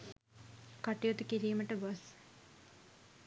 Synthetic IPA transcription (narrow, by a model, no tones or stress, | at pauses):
kaʈijot̪ikiɾiːməʈəɡas